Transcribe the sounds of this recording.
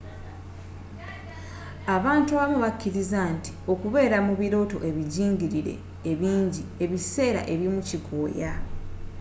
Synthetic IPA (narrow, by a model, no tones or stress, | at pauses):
aβaːntuaβamuβakːiɾizanti̥o̞kuβe̞ːɾamuβiɾo̞ːto̞̰ʔe̞βiɟiːŋɟiɾiɾe̞̰ː | βiːɲɟie̞βise̞ːɾa̰ʔe̞βjimucikʰoːja